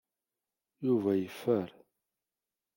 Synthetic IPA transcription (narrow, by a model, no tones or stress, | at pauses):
juvæjəfːəɾ